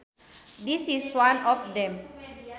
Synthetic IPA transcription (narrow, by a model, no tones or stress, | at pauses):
disiswãnɔfdɛ̃m